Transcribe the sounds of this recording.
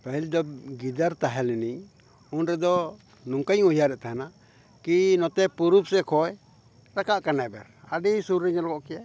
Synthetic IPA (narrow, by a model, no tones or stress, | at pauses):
paɦild̪ɔb̚ɡid̪aɾt̪aɦɛlɛniɲ | unɾɛd̪ɔ | nɔŋkaɲɔjaɾɛʔt̪aɦana | kinɔt̪ɛpuɾup̚sɛkʰɔj | ɾakaʔkanabɛɾaɖisuɾːiɲalkɔʔkɛja